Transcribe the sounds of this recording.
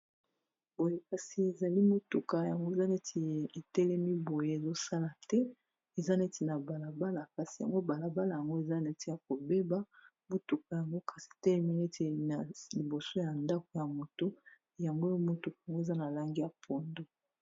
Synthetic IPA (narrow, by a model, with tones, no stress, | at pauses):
bo˨je˦ka˨si˨e˨za˨li˦mo˨tu˨ka˨ja˨ŋɡo˦e˨za˦ne˦tʰi˨e˨tɛ˦lɛ˦mi˦bo˨je˦e˨zo˦sa˦la˨tɛ˦ | e˨za˦ne˦ti˨na˨ba˨la˨ba˦la˨ka˨si˨ja̰˨ŋɡo˦ba˨la˨ba˦la˨ja˨ŋɡo˦e˨za˦ne˦ti˨ja˨ko˨be˦ba˦ | mo˨tu˨ka˨ja˨ŋɡo˦ka˨si˨e˨tɛ˦lɛ˦mi˦ne˦te˨na˨li˨bo˨so˦ja˨nda˦ko˨ja˨mo˨to˦˨ | ja˨ŋɡo˦jo˦mo˨tu˨ka˨ja˨ŋɡo˦e˨za˦na˨la˦ŋɡi˦ja˨pʰo˨ndo˦